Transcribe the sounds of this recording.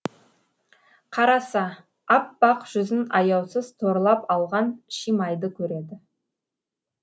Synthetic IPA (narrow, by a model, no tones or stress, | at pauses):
qʰɑɾɑsɑ | ɑpːɑqʒ̥ʏzɪnɑjɑwsəzt̪ʰo̞ɾlˠɑpɑlˠʁɑnʃijmɑjd̪əkʲʰɵɾe̞d̪ɪ